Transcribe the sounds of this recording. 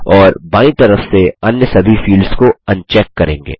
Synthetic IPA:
ɔːɾbãːĩt̪ɐɾəfseɐnjəsɐbʱifiːlɖz̥koɐ̃nt͡ʃɛːkːɐɾḛ̃ːŋɡḛː

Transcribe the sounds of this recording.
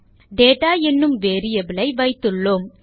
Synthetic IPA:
ɖeːʈaːɛnːɯmʋeːɾɪjɐbɪlɐɪʋɐɪt̪ːɯɭːoːm

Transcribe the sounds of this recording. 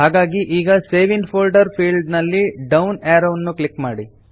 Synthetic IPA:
ɦaːɡaːɡiʔiːɡɐseːʋiŋpʰoːlɖɐɾpʰiːlɖnɐlːiɖɐwnaːɾɐwnːuklikmaːɽi

